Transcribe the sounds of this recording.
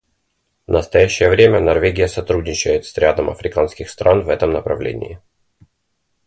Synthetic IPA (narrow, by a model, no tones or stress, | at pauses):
vnəst̪ɐjæɕːɪjəvɾʲemʲənɐrvʲeɡʲɪjəsɐt̪ɾudʲnʲɪt͡ɕɛjɪt̪sɾʲad̪əmɐ̰fɾʲɪkanskʲɪxst̪ɾʔanvɛt̪əmnəpɾɐ̰vlʲḛnʲɪ̰ɪ